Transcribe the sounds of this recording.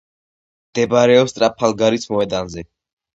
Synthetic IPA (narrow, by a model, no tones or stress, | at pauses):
md̪̥ɛbaɾɛɔpst̪ʼɾapʰːalˠɡaɾismɔɛd̪anzɛ